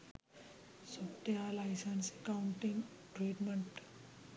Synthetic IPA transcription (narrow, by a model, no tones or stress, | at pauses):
sobʈ̪ealajsansekawuɳʈĩŋɡ | ʈɾiːʈməɳʈ